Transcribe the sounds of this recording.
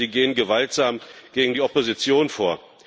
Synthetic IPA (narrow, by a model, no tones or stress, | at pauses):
iːɡeːənɡəvaltz̥aːmɡ̥eːɡŋ̩diːʔɔpozit͡sjoːnfoːɐ